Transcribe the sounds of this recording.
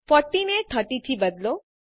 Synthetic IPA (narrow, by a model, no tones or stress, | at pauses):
fɔʈːineʈ̪ʰəʈit̪ʰibəd̪lo